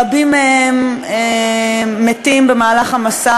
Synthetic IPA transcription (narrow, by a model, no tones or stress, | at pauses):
abimeemeː | etimbemaːlaχamasa